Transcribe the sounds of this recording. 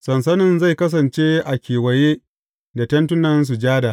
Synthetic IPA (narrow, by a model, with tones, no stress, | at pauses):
sɐ˨ns̬ɐ˦nɪ˨nza˦˨jkɐ˦s̬ɐ˨nt͡ʃeː˦ʔa˨kʲeː˨wɐ˨jeː˦ | da˨tɐ˦ntʊ˦nɐ˦ns̬u˨d͡ʒaː˦da˨ʔ